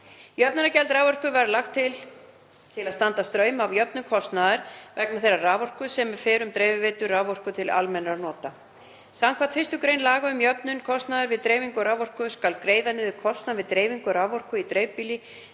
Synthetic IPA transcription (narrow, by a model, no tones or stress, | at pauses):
jœp̚nʏnacɛlt̪ɾaːwvɔr̥kʏvaɾlaxt̪ʰːɪl | t̪ʰɪlaðst̪ant̪ast̪ɾœːɥmavjœp̚nʏkʰɔst̪naðɪɾ̥vɛk̚naθejrːaraːvɔr̥kʏsɛmɛ̥fɪːɾʏmt̪ɾeːjvɪvɪːt̪ʏraːvɔr̥kʏt̪ʰɪla̰lmɛnaɾnɔːt̪a | sawmkʰvaɾ̥t̪fɪst̪ʏkɾejnlaːɣaʏmjœpnʏnkʰɔst̪naðɪɾvɪðt̪ɾeːjviŋkʏɾaːvɔr̥kʏskalkɾeːjðanɪðʏkʰɔst̪navɪðt̪ɾeːjviŋkʏɾaːvɔr̥kʏit̪ɾejvpili